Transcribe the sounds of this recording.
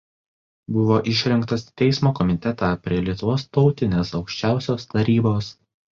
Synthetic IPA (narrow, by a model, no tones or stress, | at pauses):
bʊʋoːʔɪʃʲɾʲɪŋkt̪ɐst̪ʲɛɪsmoːkɔmʲɪt̪ʲɛt̪ɑːpʲɾʲiɛlʲiɛt̪ʊʋoːst̪ɒʊt̪ʲɪnʲeːsɒʊkʃʲt͡ʃʲæˑʊsʲoːst̪ɐɾʲiːboːs